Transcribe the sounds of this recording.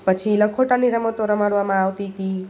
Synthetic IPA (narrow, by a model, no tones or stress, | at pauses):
pət͡ʃʰiːlakʰoʈaniɾəmət̪oɾəmaɽʋamãːwt̪it̪i